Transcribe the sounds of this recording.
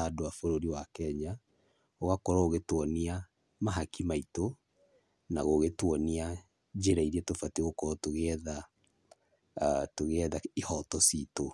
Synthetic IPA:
adoafoɾoɾiwakɛɲa | oɣakɔɾɔoɣetwɔnia | maɦakimaito | naɣoːɣetwɔnia | d͡ʑeɾaiɾiɛtofateɣokɔɾɔtoɣeɛða | toɣeɛðaihɔtɔsito

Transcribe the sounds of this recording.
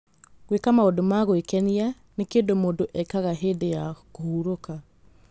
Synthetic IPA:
ɣwekamaodomaɣoekɛnia | nekeːndomoːndoʔɛkaɣaɦeːdejakohuɾoka

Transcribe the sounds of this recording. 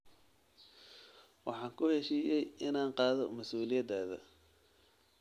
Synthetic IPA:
wɑħɑːŋkʰʊhɛʃiːjɛjɪnaːnqɑːðɔmɐsuːlɪjɐd̪aːðɐ̰

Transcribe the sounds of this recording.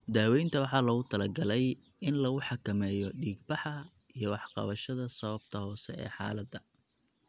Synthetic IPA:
d̪aːwɛjnt̪ʰɐwɑħɑːlɐɣʊt̪ʰɐlɐɡɐlɛj | ɪnlɐɣʊħɑkʰɐmɛːjɔɖiːɡbɑħɐ | ijɞwɑħqɑ̰βɐʃɐðɐsɐβɐb̚t̪ʰɐhɔːsɛ̰ɛ̰ːħɑ̰ːlɐd̪ɐ

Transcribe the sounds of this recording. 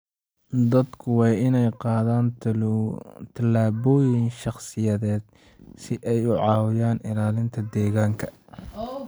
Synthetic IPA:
d̪ɐd̪kʰʊwɑːɪnɛjqɑːðaːn | t̪ʰɐlaːβɔːjɪnʃɑχsɪjɐðɛːd̪ | sɪʔɛjʊʕɑːwɪjaːnɪlaːlɪnt̪ʰɐd̪ɛːɣaːŋkʰɐ

